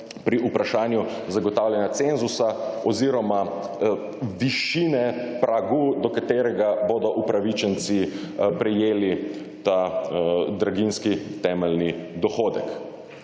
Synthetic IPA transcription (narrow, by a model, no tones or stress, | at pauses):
pɾiupɾaʃaːnju | zaɡɔt̪aːwljanjat̪senzusaɔziɾɔma | ʋiʃiːnɛpɾʔaɡud̪ɔkat̪eːɾɛɡaboːd̪ɔʔupɾaʋit͡ʃɛnt̪si | pɾɛjeːli | t̪a | d̪ɾaɡinskit̪ɛːmɛlnid̪ɔxoːd̪ɛk